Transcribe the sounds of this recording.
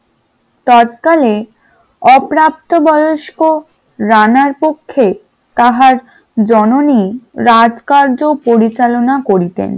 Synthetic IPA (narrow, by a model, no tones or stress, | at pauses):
t̪ɔt̪kale | ɔpɾap̚t̪obɔjoʃko | ɾanaɾpokʰːe | t̪aɦaɾ | d͡ʑɔnoniɾad͡ʑkaɾd͡ʑopoɾit͡ɕalonakoɾit̪ḛn